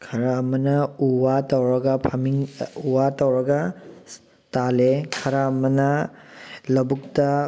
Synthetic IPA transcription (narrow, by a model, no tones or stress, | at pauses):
kʰɐɾamɐnɐuwatɐwɾɐɡɐpʰamiŋuwatɐwɾɐɡɐ | talekʰɐɾamɐnɐ | lɐbuk̚tɐ